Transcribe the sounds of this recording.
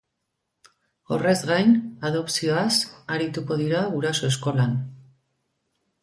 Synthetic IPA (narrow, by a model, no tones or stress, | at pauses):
o̞re̞zɡajnað̞o̞psio̞asaɾit̪uko̞ðiɾaɣuɾaso̞e̞sko̞lan